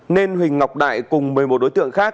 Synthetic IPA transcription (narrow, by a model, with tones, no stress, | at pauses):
ne˧nwï˨˩ŋ̟ŋa˨˩wk͡p̚ɗa̰ː˧˨jkʊ˨˩ŋ͡mmɨ˨˩əjmo˨˩t̚ɗo˨˦jt̪ɨ̰˧˨əŋxaː˦˥k̚